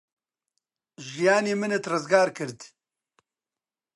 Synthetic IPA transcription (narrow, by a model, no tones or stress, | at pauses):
ʒijaːniːmɨnet̪rɨzɡaːɾkɨɾd̪